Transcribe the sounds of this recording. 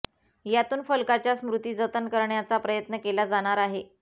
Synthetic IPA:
jat̪uːnfəlkat͡ɕjasmɾut̪iːd͡zət̪ənkəɾɳjat͡sapɾəjət̪nəkelad͡zaɽ̃aɾaɦe

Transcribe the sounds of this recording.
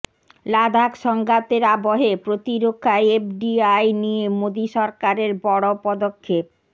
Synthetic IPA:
lad̪ʱakʃɔŋɡat̪eɾaboɦepɾot̪iɾokʰːajepɖiajnijemod̪iʃɔɾkaɾeɾbɔɽopɔd̪okʰːep̚

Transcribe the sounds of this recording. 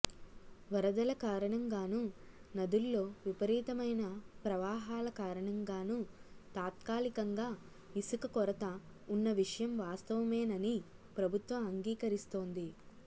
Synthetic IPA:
ʋɐɾɐd̪ɐlɐkaːɾɐɳɐŋɡaːnu | nɐd̪ulːo̞ːʋipɐɾiːt̪ɐmɐjnɐpɾɐʋaːɦaːlɐkaːɾɐɳɐŋɡaːnut̪aːt̪kaːlikɐŋɡaː | isukɐkɔɾɐt̪ɐ | unːɐʋiʂɐjɐmʋaːst̪ɐʋɐmeːnɐni | pɾɐbʱut̪ʋɐmɐŋɡiːkɐɾist̪o̞ːnd̪i

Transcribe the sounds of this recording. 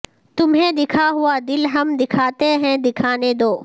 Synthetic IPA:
t̪ʊmɦẽd̪ɪkʰaɦʊad̪ɪlɦɐmd̪ɪkʰaːt̪eɦɛ̃d̪ɪkʰaːned̪oː

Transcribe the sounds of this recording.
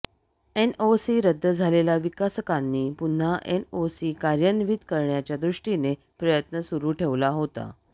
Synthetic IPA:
enosiɾəd̪ʱːəd͡zʱalelaʋikasəkanːiːpun̤ːaʔenosiːkaɾjənʋid̪kəɾɳjat͡ɕjad̪ɾuʂʈine | pɾəjət̪nəsuɾuːʈʰeʋlaɦot̪a̰

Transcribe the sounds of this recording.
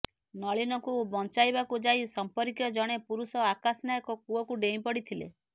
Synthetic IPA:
nɔɭinɔŋkubɔnt͡ʃajbakud͡ʒajsɔmpɔɾikjɔd͡ʒɔɽ̃epuɾusɔakasnajɔkɔkuɔkuɖeĩpɔɽit̪ʰilḛ

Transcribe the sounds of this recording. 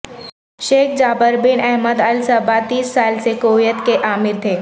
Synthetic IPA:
ʃeːkʰd͡ʒaːbəɾbɪnɛɦməd̪ɐlsɐbat̪iːsːaːlsekoːjət̪keʔaːmɪɾt̪ʰeː

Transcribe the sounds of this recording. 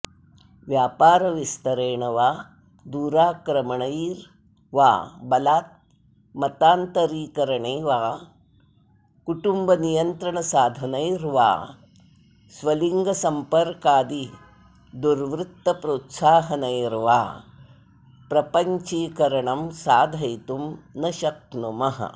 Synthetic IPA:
ʋjaːpaːɾɐʋist̪ɐɾeːɳɐʋaː | d̪uːɾaːkɾɐmɐɳɐiɾ | ʋa̰ːbɐlaːt̪̚ | mɐt̪aːnt̪ɐɾiːkɐɾɐɳeːʋaː | kuʈumbɐnijɐnt̪ɾɐɳɐsaːd̪ʱɐnɐjɾʋa̰ː | sʋɐliŋɡɐsɐmpɐɾkaːd̪i | d̪uɾʋɾut̪ːɐpɾoːt̪saːɦɐnɐjɾʋa̰ː | pɾɐpɐɲt͡ʃiːkɐɾɐɳɐmsaːd̪ʱɐjt̪umnɐʃɐk̚numɐɦɐ̰

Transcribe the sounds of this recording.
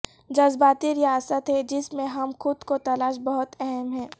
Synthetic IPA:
d͡ʒɐzbaːt̪iɾɪjaːsət̪ɦɛd͡ʒɪsmẽɦɐmxʊd̪kot̪ɐlaːʃ̬bɐɦʊt̪ɛɦɛmɦɛ̃ː

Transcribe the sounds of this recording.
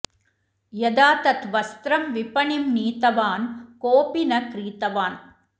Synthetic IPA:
jɐd̪aːt̪ɐt̪ʋɐst̪ɾɐmʋɪpɐɳimniːt̪ɐʋaːnkoːpinɐkɾiːt̪ɐʋaːn

